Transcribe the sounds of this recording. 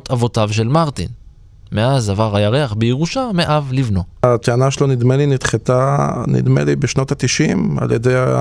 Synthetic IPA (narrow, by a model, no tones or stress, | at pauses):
t̪avo̞tavʃe̞lmaʁt̪ḭn | me̞azavaʁajaʁeaχbeeʁuʃameʔavlivno̞at̪eanaʃelonid̪melinit̪χet̪anḭd̪mḛlibeʃnot̪at̪iʃima̰ljedeja